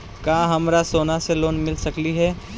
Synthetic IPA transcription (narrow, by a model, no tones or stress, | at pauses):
kaːɦɐmɾasoːnaseloːnmɪlsɐkliɦɛː